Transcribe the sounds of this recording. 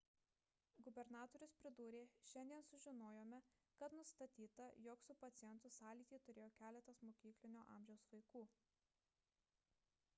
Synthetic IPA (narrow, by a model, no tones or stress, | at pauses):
ɡʊbʲɛɾnɑːt̪ɔːɾʲʊspʲɾʲɪd̪uːɾʲeːʃʲɛnʲd̪ʲiɛnsʊʒʲɪnoːjoːmʲɛkɐt̪nʊst̪ɐt̪ʲiːt̪ɐjɔksʊpɐt̪sʲɪjɛnt̪ʊsɑːlʲiːt̪ʲiːt̪ʊɾʲeːjoːkʲæːlʲɛt̪ɐsmoːkʲiːklʲɪnʲoːʔɑ̰ːˑmʲʒʲɛʊsʋɐɪkuː